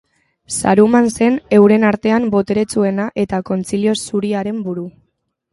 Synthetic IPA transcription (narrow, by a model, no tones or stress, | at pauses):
sa̰ɾumanse̞ne̞wɾe̞naɾt̪e̞ambo̞t̪e̞ɾe̞t͡sue̞naʔe̞t̪ako̞nt͡silio̞suɾiaɾe̞mbuɾu